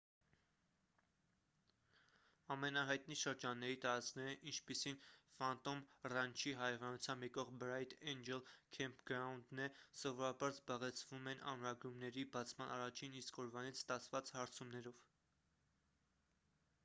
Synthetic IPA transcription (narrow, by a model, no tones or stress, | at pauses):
ɑmɛnɑɦɑjt̪niʃəɾd͡ʒɑnːɛɾit̪ɑɾɑt͡snɛɾəʔint͡ʃʰpisinfɑnt̪ɔmrɑnt͡ʃʰiɦɑjɛvɑnut͡sʰjɑmbjɛkɔʁbɾɑjt̪ʰɛnd͡ʒɛlkʰɛmpʰɡɾɑund̪nɛsɔvɔɾɑbɑɾzbɑʁɛt͡sʰvumɛnʔɑ̰nɾɑɡɾumnɛɾibɑt͡sʰmɑnɑrɑt͡ʃʰiniskɔɾvɑnit͡sʰst̪ɑt͡sʰvɑt͡shɑɾt͡sʰumnɛɾɔv